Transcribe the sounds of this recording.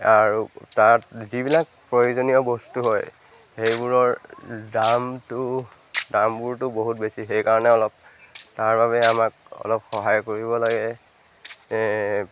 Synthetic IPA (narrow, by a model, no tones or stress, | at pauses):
aɹutatzibilak̚pɹojozonijɔbɔstuɦɔj | xejbuɹɔɹdamtʊ | dambuɹtʊboɦutbesixejkaɹɔnɛɔlɔp̚taɹbaβɛamakɔ̰lɔp̚xɔɦajkoɹibɔlaɡɛ